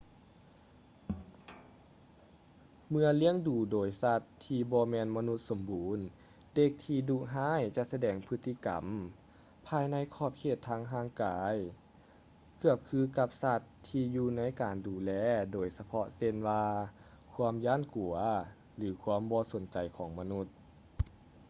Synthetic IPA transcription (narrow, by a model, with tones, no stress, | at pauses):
mɯ˧əli˧˥əŋduː˨˩doː˨˩jsa˧t̪ʰːiː˧bɔː˧mɛː˧˨nma˧nu˧t̪̚so˨˦mbuː˨˦n | de˧k̚t̪ʰiː˧duː˧˩ɦaː˧˥˨jt͡ɕa˧ʔsa˧dɛː˨˩ŋpʰɯ˧˥t̪ʰːi˧˨ka̰˨˩m | pʰaː˧jna˧˥˨jkʰɔː˧˩p̚kʰeː˧˩t̪ʰːaː˧˥˨ŋɦaː˧˥˨ŋkaː˨˦j | kɯ˧˩əp̚kʰɯː˧˥ka˧˩p̚sa˧t̪ʰːiː˧juː˧na˧˥˨jkaː˨˩nduː˨˩lɛː˧doː˨˩jsa˧pʰɔ˧se˧˨nwaː˧ | kʰu˧˥əmjaː˧˥˨nku˨˩ɐ | lɯː˨˩˦kʰwuaː˧˥˨mbɔː˧˦so˨˩˦nt͡ɕa˨˩jkʰɔː˨˦ŋma˧nu˧˩t̪̚